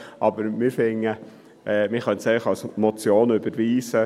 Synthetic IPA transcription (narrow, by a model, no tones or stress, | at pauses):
ʔɑbəɾmɪɾfɪŋə | ʔɛːmɪχœntsɛɪləχɑlsmɔt͡sjoːnʏbəɾʋiːsə